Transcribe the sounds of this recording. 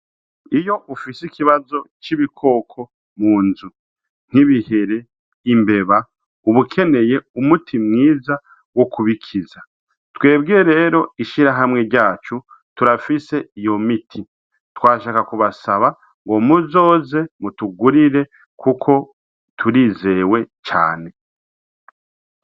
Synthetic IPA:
ijo̞ʔufisikiβazo̞t͡ʃiβikʰo̞ːkʰo̞ | muːnzu | n̥iβihe̞ɾe̞ | imbe̞βa | uβukʰe̞ne̞je̞umutʰimŋiːza | wo̞kuβikʰiza | twe̞ːbɡiɾeɾe̞ːɾo̞iʃiɾaɦamŋe̞ɾɟaːt͡ʃu | tuɾafise̞ijo̞mitʰi | twaːʃaːkakuβasaβa | ŋɡo̞muzo̞ːze̞mutuɡuɾiɾe̞ | kʰukʰo̞ | tʰuɾiːze̞we̞t͡ʃa̰ːne̞

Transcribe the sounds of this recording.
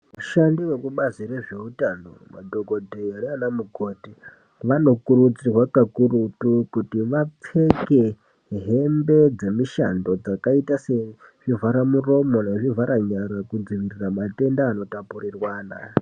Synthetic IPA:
uʃandiwe̞kuɓazire̞ʐe̞utano̞̰ma̰dʱoɡo̞dʱeaɾianamuɡʱo̞ti | ʋano̞kuɾut͡sirwakakurutukutiʋap͡fe̞ke̞ | ɦe̞mbe̞d͡ze̞miʃa̰ndo̞d͡zakaitaseʐ̥ivaɾamuro̞mo̞neʐivʱaɾaɲaɾakud͡ziʋiriramate̞ndaːno̞tapurirwaːna̰

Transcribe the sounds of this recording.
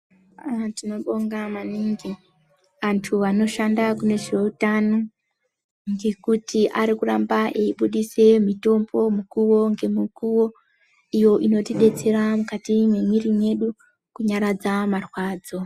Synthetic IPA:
tino̞ɓoŋɡamaniŋɡi | ʋantʰuʋano̞ʃandakune̞ʐe̞utano | ŋɡe̞kutiʔaɾikurambaʔeiɓuɗise̞mito̞mbo̞mukuwo̞ŋɡe̞mukuwo̞ | ijo̞ʔino̞tiɗe̞t͡se̞ɾamukatimwemirine̞ɗu | kuɲaɾad͡zamarwaːd͡zo̞

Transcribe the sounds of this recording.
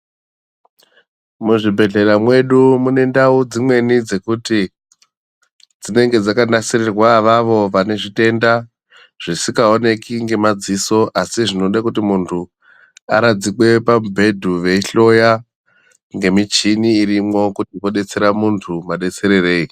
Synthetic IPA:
muʐibʱe̞ɮe̞ɾamwe̞ɗumune̞ndaud͡zimwe̞nid͡ze̞kuti | d͡zine̞ŋɡe̞d͡zakanasirerwaʋaʋo̞ʋane̞ʐite̞nda | ʐ̥isikao̞ne̞kiŋɡe̞mad͡ziso̞ʔasiʐino̞ɗakutimuntʰu | a̰ɾad͡zikwe̞pabʱe̞dʱuʋe̞iɬo̞ja | ŋɡe̞mit͡ʃiniːrimwo̞kutiʋo̞ɗe̞t͡se̞ɾamuntʰumaɗe̞t͡se̞ɾe̞re̞ːi

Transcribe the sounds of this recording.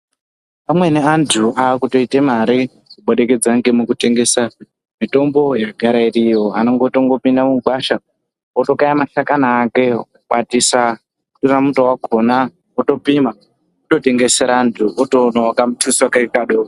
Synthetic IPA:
pamwe̞neantʰuʔakuto̞itemaɾi | kuɓoɗe̞ke̞d͡zaŋɡemukute̞ŋɡe̞sa | mito̞mbo̞jeɡʱaɾairijo̞ano̞ŋɡotoŋɡo̞pindamuɡʱwaʃa | oto̞kajamaʃakanaːke̞kuɓatisa | ku̥toramutowaɡʱo̞na | oto̞pima | oto̞te̞ŋɡe̞seɾaːntʰuʔotonawakamutʰuswakaikaɗoo

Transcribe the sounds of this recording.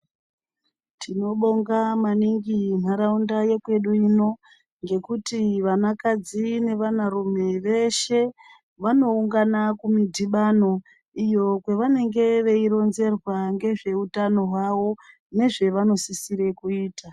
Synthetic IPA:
tʰino̞ɓoŋɡamaniŋɡim̤aɾaundaje̞kwe̞ɗuino̞ | ŋɡe̞kutiʋanakad͡zine̞ʋanarumeʋe̞ʃe̞ | ʋano̞uŋɡanakumidʱiɓano̞ | ijo̞kwe̞ʋane̞ŋɡe̞ʋe̞iɾo̞nze̞rwaŋɡe̞ʐe̞utano̞ɦwaʋo̞ | ne̞ʐe̞ʋano̞sisiɾe̞kuiːta

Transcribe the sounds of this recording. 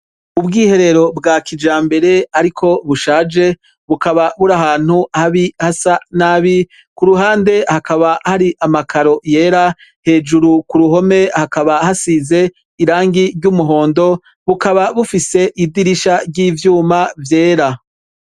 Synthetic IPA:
ubɡiːhe̞ɾe̞ɾo̞bɡakʰid͡ʒaːmbe̞ɾe̞aɾikʰo̞βuʃaːd͡ʒe̞ | βukaβaβuɾahaːn̥huhaβihasanaβi | kuɾuɦaːnde̞hakaβahaɾiʔamakʰaɾo̞je̞ːɾa | he̞ːd͡ʒuɾukuɾuɦo̞me̞hakaβahasiːze̞ | iɾaːŋɡiɾɟumuɦo̞ːndo̞ | βukaβaβufise̞ʔidiɾiʃaɾɟiːvjuːmavje̞ːɾa

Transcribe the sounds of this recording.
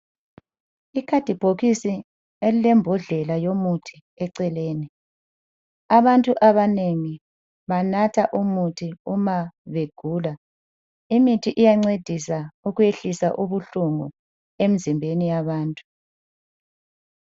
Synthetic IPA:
ikʰad̥ʱib̥ʱoɣisi | elilɛmbʱɔɮɛlajomutʰi̥ | ɛǀɛleːni | aβantʼuʔaβaneŋi | βanatʰaʔumutʰiumaβeɡ̥ʱuːla | imitʰiʔijaŋ͡ǀed̥ʱisauɣujeɬisa̰ʔuβuɬuŋu | em̩zimbʱenijaβaːntʼu̥

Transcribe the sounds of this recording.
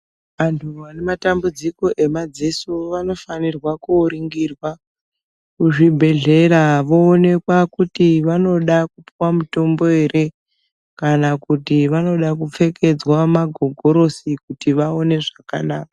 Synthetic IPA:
ʋantʰuʋane̞matambud͡ziko̞ʔe̞mad͡ze̞suʋano̞fanirwakuːɾiŋɡirwa | kuʐibʱe̞ɮe̞ɾaʋo̞ːne̞kwakutiʋano̞ɗakupiwamuto̞mbo̞e̞re̞ | kanakutiʋano̞ɗak̬up͡fe̞ke̞d͡zwamaɡʱo̞ɡʱo̞ɾo̞sikutiʋao̞ne̞ʐakanaːka

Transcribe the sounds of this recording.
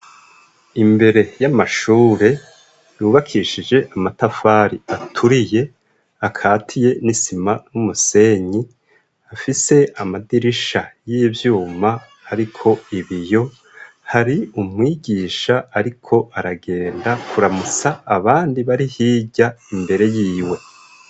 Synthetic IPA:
imbe̞ɾe̞jamaʃuːɾe̞ | juːβakʰiʃid͡ʒe̞ʔamatafaːɾiatʰuɾije̞ | akʰaːtʰije̞nisimanumuse̞ɲi | afise̞amadiɾiʃajiːvjuːmaː | ɾikʰo̞iβijo̞ | haɾiumŋiːɟiːʃaaɾikʰo̞ʔaɾaɡe̞ːndakʰuɾamut͡saːβaːndiβaɾihiːɟaimbe̞ɾe̞jiːwe̞

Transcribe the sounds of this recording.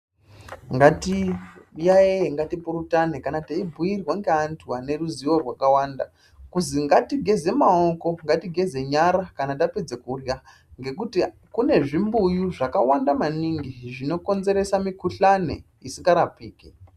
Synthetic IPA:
ŋɡatijaeeŋɡatipuɾutanekanataibʱujirwaŋɡe̞antʰuane̞ruziʋorwakawanda | kuziŋɡatiɡʱe̞ze̞mao̞ko̞ŋɡatiɡʱe̞ze̞ɲaɾakanat̬aped͡zekurja | ŋɡe̞kuti | kune̞ʐimbujuʐakawandamaniŋɡiʐino̞ko̞nze̞ɾe̞samikuɬanḛ | isiŋɡaɾapiːke

